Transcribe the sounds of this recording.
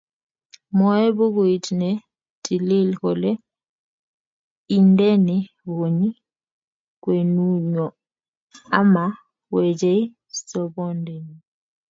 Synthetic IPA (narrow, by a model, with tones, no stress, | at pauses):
mɔ˨˦ɛ˦bo˦ɣu˨i˨tʰnɛ˨ | tʰʼi˨li˦˨lkɔ˨lɛ˦ | i˦ndɛ˦nɛ˨ | βo˨ɲi˦ | kwe˨nu˦ɲɔ˨ | a˦ma˨ | wɛ˨d͡ʒɛ˦i˦ | sɔ˨βɔ˦ndɛ˨ni˨